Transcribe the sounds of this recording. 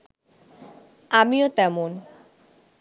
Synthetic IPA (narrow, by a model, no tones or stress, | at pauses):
amiot̪ɛmon